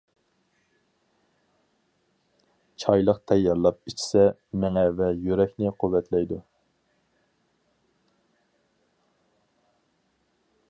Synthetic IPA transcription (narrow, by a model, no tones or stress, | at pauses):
t͡ʃʰɑjlˠəqt̪ʰɛjːɑɾlˠɑp̚it͡ʃʰi̥sɛmɛŋɛvɛjøɾɛkʲnɪqʰuwːɛt̪ʰlɛjd̪u